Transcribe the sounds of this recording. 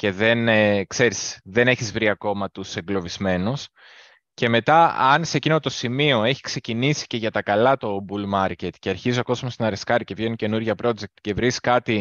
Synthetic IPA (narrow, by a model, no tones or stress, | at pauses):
ce̞ðe̞nkse̞ɾisðe̞ne̞çizvɾiɐko̞mɐt̪use̞ŋɡlo̞vizme̞nus | ce̞me̞t̪ɐɐnsecino̞t̪o̞simio̞e̞çi̥kse̞cinisi̥ce̞ʝɐt̪ɐkɐlɐt̪o̞bulmɐɾce̞t̪ceɐɾçizoɐko̞zmost̪nɐɾeskɐɾice̞vʝenice̞nuɾʝɐpɾo̞d͡ʒe̞k̚t̪ce̞vɾiskɐt̪i